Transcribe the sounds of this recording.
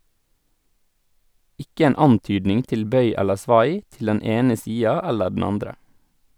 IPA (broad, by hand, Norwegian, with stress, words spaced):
ˈɪkə ˈeːn ˈɑntyːdnɪŋ ˈtɪl ˈbœʏ ˈɛləɾ ˈsʋɑj ˈtɪl ˈdɛn ˈeːnə ˈsiːɑ ˈɛlə ɖɳ̩ ˈɑndɾə